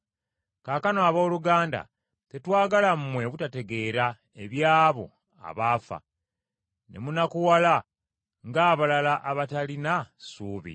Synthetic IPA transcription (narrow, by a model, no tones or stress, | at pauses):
kaːkanoaβo̞ːluɡaːnda̰ | te̞twaːɡalam̩mːwe̞βutate̞ɡe̞ːɾa | e̞βjaːβo̞̰ | a̰βaːfa̰ | nʔe̞̰munakuwala | ŋɡaːβalalaʔaβatalinasuːβḭ